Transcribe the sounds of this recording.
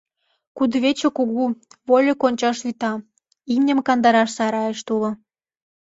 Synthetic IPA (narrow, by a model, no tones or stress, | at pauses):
kud̪βet͡ɕŏkuɣuβolʲokonʲt͡ɕɑʃyt̪ɑ | imnʲə̆mkɑnd̪ɑɾɑʃsɑɾɑjeʃt̪ulŏ